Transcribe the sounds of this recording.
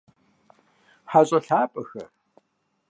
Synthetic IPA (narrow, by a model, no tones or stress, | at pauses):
ħaɕʼɐɬaːpʼɐxɐ̰r